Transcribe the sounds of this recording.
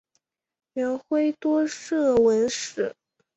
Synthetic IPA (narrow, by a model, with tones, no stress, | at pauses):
ɥɛ˧˥nxwe˥ɪt̪wɔ˥ʂɤ˥˩wə˧˥nʂɻ̩˨˩˦